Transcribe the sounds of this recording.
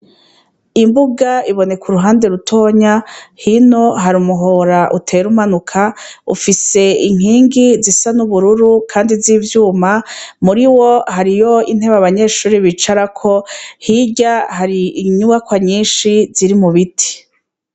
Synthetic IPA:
imbuɡaiβo̞ne̞kʰuɾuɦaːnde̞ɾutʰo̞ːɲahino̞ɦaɾumuɦo̞ɾaʔutʰe̞ɾumanukʰaṵfise̞iŋ̥iːŋɡizisanuβuɾuɾukʰaːndiziːvjuːmamuɾiwo̞haɾijo̞in̥heβaβaɲe̞ʃuːɾiβit͡ʃaɾakʰohiɟahaɾiiɲuɡakwaɲiːnʃiziɾimuβitʰi̥

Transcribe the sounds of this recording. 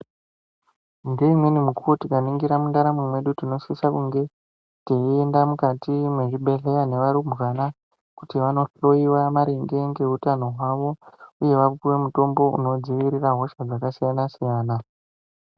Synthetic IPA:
ŋɡe̞imwe̞nimukuotikaniŋɡiɾamundaɾamwimwe̞ɗutino̞sisakuŋɡe̞ | teiendamukatimwe̞ʐiɓe̞ɮe̞jane̞ʋaɾumɣana | kutiʋano̞ro̞iwamaɾeŋɡe̞ŋɡe̞ɦutano̞ɦwaʋo̞uje̞ʋakuʋe̞muto̞mbo̞ṵno̞d͡ziʋiɾiraɦo̞ʃad͡zakasijanasijaːna

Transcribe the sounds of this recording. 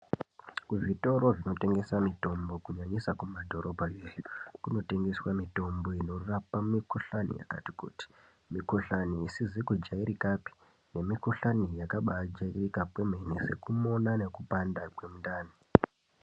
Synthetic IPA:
kuʐito̞ɾo̞ʐino̞te̞ŋɡe̞samito̞mbo̞kuɲaɲisakumadʱo̞ɾʔobʱajeːjukuno̞te̞ŋɡe̞swamito̞mbo̞ino̞rapamikoɬanḭja̰ka̰tikṵti̥ | miko̞ɬaniisizikud͡ʒaiɾikapi̥ | ne̞mikoɬanijakaɓaad͡ʒairikapweme̞nese̞kumo̞nane̞kupandakwe̞mundaːni

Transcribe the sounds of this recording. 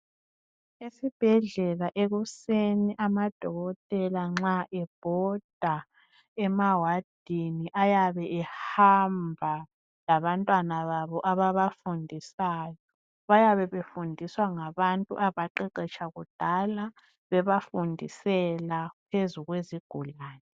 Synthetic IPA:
esib̥ʱɛɮɛlaʔeɣuseniʔamad̥ʱɔɣɔtʼɛlaŋ͡ǁaʔɛb̥ʱɔd̥ʱa | ɛmawad̥ʱiniʔajaβɛʔɛhambʱa | laβantʼwanaβaβɔʔaβaβafundʱisaːjɔ | βajaβɛβefundʱiswaŋaβantʼṵʔaβaǃɛǃɛt͡ʃʰʼaɣud̥ʱala | βɛβafundʱisɛlapʰezuɣweziɡ̥ʱulaːnɛ

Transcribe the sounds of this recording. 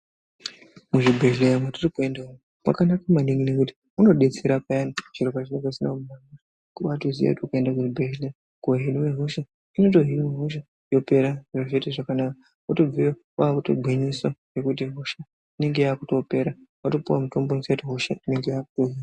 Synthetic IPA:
muʐibʱeʒlemwetirikuendaumo | mwa̰kanakamaniŋɡinekuti̥ | uno̞ɗet͡seɾapajanoʐ̥iɾokaʐineŋɡaisinamumana | kuɓatozija̰kutukaendakuʐibʱeʒle | koɦiniweɦoʃa | ino̞to̞ɦinimeɦoʃa | jo̞pe̞ɾaʐaʐeteʐakanaka | atob͡vijo | aːkutoɡʱwiɲisoje̞kutiɦoʃa | ine̞ŋɡe̞jaːkuto̞pe̞ɾawato̞puwamuto̞mbonsatiɦoʃa̰ine̞ŋɡejaːk̚utoɦia

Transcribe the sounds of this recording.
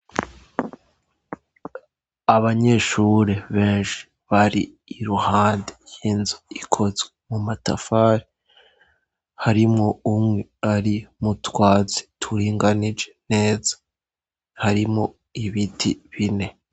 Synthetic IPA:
aβaɲe̞ʃuɾe̞βeːnʃi̥ | βaɾiː | ɾuhaːndejiːnzoikʰo̞zwemumata̰faːɾi | haɾimŋo̞umŋweaɾimutwaːzi̥tʰuɾiːŋɡanid͡ʒene̞ːzḁ | haɾimo | iβitʰḭβine̞

